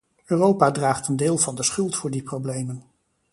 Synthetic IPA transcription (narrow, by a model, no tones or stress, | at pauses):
øːrowpadraːχtəndɪːlˠvɑndəsχɵlˠtfʊːɹdiprowblejmən